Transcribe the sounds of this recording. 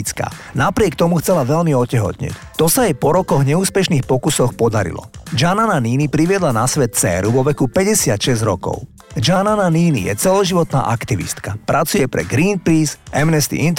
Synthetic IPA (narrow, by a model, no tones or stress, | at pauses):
t͡ska̰ːnapɾɪɛkt̪ɔmuxt͡sɛlaʋɛʎmiɔcɛɦɔ̰t̪ɲɛ̰ct̪ɔsaajpɔɾɔkɔɣɲɛuːspɛʃniːxpɔkusɔxpɔd̪aɾḭlɔ̰d͡ʒanananiːnipɾiʋɪɛd̪lanasʋɛt̪̚t͡sɛ̰ːɾuʋɔʋɛkupɛɟɛsɪat̪ʃɛzɾɔkɔ̰ʊ | d͡ʒanananiːnḭjɛ̰t͡sɛlɔʒiʋɔt̪na̰ːʔakt̪iʋḭst̪kapɾʔat͡sujɛpɾɛ̰ɡɾiːn̚pɾiːsɛmnɛst̪ḭint̪